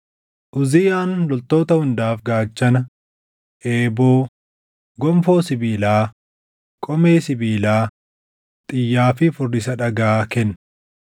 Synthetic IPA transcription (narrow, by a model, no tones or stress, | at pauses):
ʔʊzɪjaːnlɔlt̪o̞ːt̪ɐhʊnd̪aːfɡaːt͡ʃːɐnɐ | ʔeːbo̞ː | ɡɔmfo̞ːsɪbiːlaː | kʼɔmeːsɪbiːlaː | t̪ʼɪjːaːfɪfʊrːɪsɐᶑɐɡaːkɛnː